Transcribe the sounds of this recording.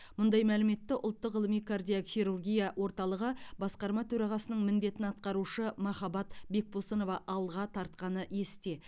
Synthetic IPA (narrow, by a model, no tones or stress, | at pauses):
mʊnd̪ɑjmælɪme̞t̪ːɪʔʊ̰lˠt̪ːəqʁəlˠəmijkʰard̪ijoχijɾurɡʲijɑwo̞ɾt̪ɑlˠəʁəbɑsqɑɾmɑt̪ʰɵɾɑʁɑsənəɴmɪnd̪e̞t̪ɪnɑt̪̚qɑɾuʃəmɑχɑbɑt̪be̞k̚pʰosəno̞vɑʔɑlˠʁɑt̪ʰɑɾt̪̚qɑnəje̞st̪e̞